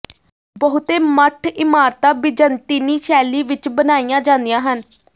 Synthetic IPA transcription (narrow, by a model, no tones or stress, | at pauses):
bəɦʊt̪eːməʈʰɪmaːɾt̪aːbɪd͡ʒənt̪iːniːʃɛːliːʋɪt͡ʃbənaːijãːd͡ʒãːnd̪ijãːɦən